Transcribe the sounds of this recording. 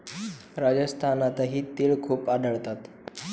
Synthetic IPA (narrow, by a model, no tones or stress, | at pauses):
ɾad͡ʑəst̪ʰanat̪aɦiːt̪eːɭkʰuːpaɖ̪ʱəɭt̪at̪